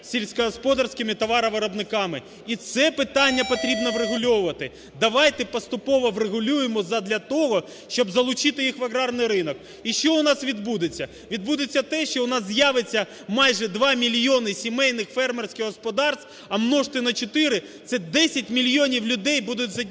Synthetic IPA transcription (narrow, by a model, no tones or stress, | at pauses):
sʲilʲsʲkɐɦɔspɔd̪ɐrsʲkɪmɪt̪ɔʋɑɾɐʋɐɾɐbnɪkɑmɪ | it̪sɛpɪt̪ɑnʲːɐpɔt̪ɾʲibnɔʋreɦʊlʲɔʋʊʋɐt̪ɪ | d̪ɐʋɑjt̪ɛpɔst̪ʊpɔʋɔʋreɦʊlʲujemɔzɐd̪lʲɐt̪ɔɦɔ | ʃt͡ʃɔbzɐlˠʊt͡ʃɪt̪ɪjixʋɐɣɾɑrnɪjɾɪnɔk | iʃt͡ʃɔʊnɑsʋʲid̪bud̪ɪt͡sʲːɐ | ʋʲid̪̚bud̪ɪt͡sʲːɐt̪ɛʃt͡ʃɔʊnɑszjaʋet͡sʲːɐ | mɑjʐɛd̪ʋɑmʲilʲjɔnɪsʲimɛjnɪxfɛrmersʲkʲɪɣɦɔspɔd̪ɑrst̪ | ɐmnɔʃt̪ɪnɐt͡ʃɔt̪ɪɾɪ | t̪sɛd̪ɛsʲɐtʲmʲilʲjɔnʲiwlʲʊd̪ɛjbud̪ʊtʲzɐ